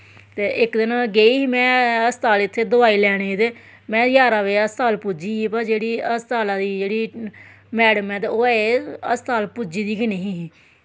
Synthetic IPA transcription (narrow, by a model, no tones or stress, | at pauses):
t̪eːʔɪkd̪ɪnɡeːiːɦiːmɛ̃ːəst̪aːlɪt̪ʰːeːd̪ʊʋaːiːlɛːɽ̃eːit̪eː | mɛ̃ːjaːɾaːʋeːəst̪aːlpʊd͡ʒiːiːpad͡ʒeːɽiːəst̪aːlaːd̪iːd͡ʒeːɽiː | mɛːɽəmɛ̃ːt̪eoːɛːəst̪aːlpʊd͡ʒiːd̪iːkɪneɦĩːɦiː